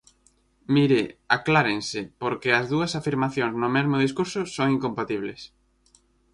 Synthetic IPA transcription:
miɾɪaklaɾẽŋsɪpoɾkɪɐzðuɐsafiɾmaθjõŋznʊmɛzmʊðis̬kuɾsʊsoŋiŋkompat̪iβ̞les

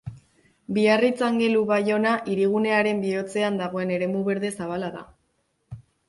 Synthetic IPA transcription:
biarit͡saŋɡe̞luβajo̞naʔiɾiɣ̞une̞aɾe̞mbio̞t͡se̞and̪aɣ̞o̞e̞ne̞ɾe̞muβe̞ɾðe̞saβalaða̰

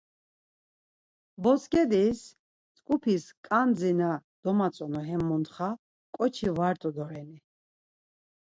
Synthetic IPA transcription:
bɔskʼɛd̪is | t͡sʼkʼupʰiskʼand͡zinad̪̥ɔmat͡sʼɔnɔɦɛmːunt̪χa | kʼɔt͡ʃʰivaɾt̪ʼɔd̪ɔɾɛni

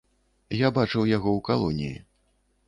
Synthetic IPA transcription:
jabat͡ʂɨwjaɣɔwkalˠɔnʲijḭ

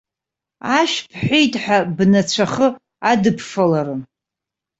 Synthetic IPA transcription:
aʃpʰħʷᶣejtʼħʷᶣabnat͡ɕʷʰaχə | adɨpʰfalaɾɨ

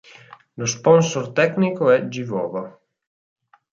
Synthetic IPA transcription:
lospɔnsort̪ɛknikoɛd͡ʒivɔ̰ːva

